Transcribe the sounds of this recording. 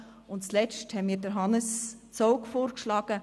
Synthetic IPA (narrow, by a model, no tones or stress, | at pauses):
ʊntt͡slɛt͡ʃthɛnmiːɾdəɾɦɑnəst͡soʊkfoːrkʃlɑːɡ̥ə